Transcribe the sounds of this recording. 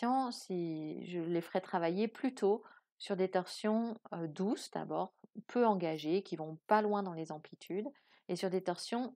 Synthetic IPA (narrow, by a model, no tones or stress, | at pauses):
ɑ̃siʒəlefəʁɛt̪χavajeplyt̪ʰo | syʁd̪et̪ɔʁsjɔ̃ød̪usd̪̥a̰bɔːʁpʰøɑ̃ɡaʒekʲivɔ̃palwɛ̃d̪ɑ̃lezɑ̃plit̪ʰyd̪ | esyʁd̪et̪ɔʁsjɔ̃